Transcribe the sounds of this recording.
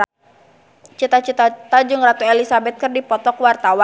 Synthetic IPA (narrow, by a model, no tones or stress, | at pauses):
t͡ʃit̪at͡ʃit̪at̪ad͡ʒʊŋrat̪uɛlisabɛt̪̚kɨrdipɔt̪ɔkwart̪awa